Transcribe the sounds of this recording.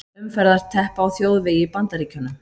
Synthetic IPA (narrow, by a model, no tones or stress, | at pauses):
ʏmfɛɾðaɾ̥t̪ʰɛhpaːwθjoːwðvɪjɪpant̪aɾiːcʏnːʏ